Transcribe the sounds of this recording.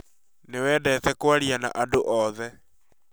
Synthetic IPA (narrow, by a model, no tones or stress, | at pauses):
newɛːdɛtɛkwaɾiana̰ʔadoʔɔðɛ